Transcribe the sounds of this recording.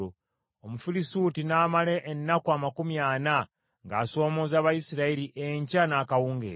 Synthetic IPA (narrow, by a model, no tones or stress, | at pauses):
o | omufilisuːtinaːmaleʔːnːakuamakumjaːna | ŋɡaːso̞ːmo̞ːzaːβajisiɾaiɾiʔeɲcanaːkawuːŋɡḛː